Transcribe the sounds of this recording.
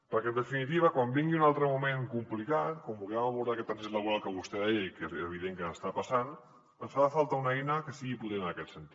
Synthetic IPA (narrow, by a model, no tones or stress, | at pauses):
pəɾkeənd̪əfinit̪iβ̞əkwambiŋɡiunalˠt̪ɾəmumẽŋkumplikat̪̚kwambulɣɛmaβuɾðakɛt̪ːanseləβuɾalˠkəβust̪ɛðɛjaikeeβ̞iðeŋkəəst̪apasan | ənsfaðafalˠt̪aunɛjnakəsiɣiput̪ennɐkɛt̪sənt̪i̥